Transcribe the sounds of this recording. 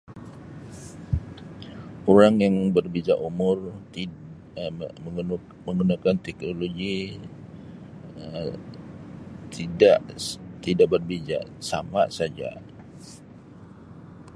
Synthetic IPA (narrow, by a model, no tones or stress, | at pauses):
oɾaŋjaŋbərbid͡ʒaʔumʊrt̪i | məŋɡunakant̪ɛknoloɡi | ə | t̪ʰidaʔt̪idaʔbərbid͡ʒa̰ʔsamaʔsad͡ʒa̰